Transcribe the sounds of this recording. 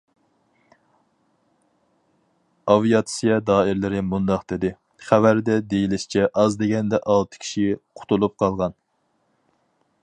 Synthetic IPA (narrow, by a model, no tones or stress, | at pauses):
ɑvijɑt̪sijɑd̪ɑːɪɾlɪɾɪmund̪ɑqd̪̥ɪd̪ɪ | χævæɾd̪ɛd̪ejilɪʃt͡ʃʰɛʔɑzd̪eɡʲɛnd̪ɛʔɑlˠt̪ʰɨ̥kʲʰi̥ʃiqʰʊ̥t̪ʰulˠup̚qʰɑlˠʁɑn